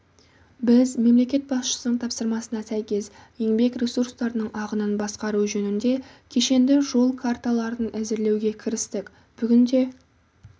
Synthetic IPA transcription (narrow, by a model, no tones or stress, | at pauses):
bɪzme̞mle̞kʲe̞t̪̚bɑsʃə̥sənəɴt̪ʰɑpsəɾmɑsənɑsæjkʲe̞sje̞ŋbe̞kɾʲesurst̪ɑɾənəɴʔɑʁənənbɑsqɑɾuʒɵnɪnd̪e̞ | kʲʰe̞ʃe̞nd̪ɪʒo̞lˠkʰart̪alˠɑɾd̪ənʔæzɪɾle̞wɡʲe̞kʲʰɪɾɪst̪ɪkʲ | b̥ʏɡʲɪnd̪e̞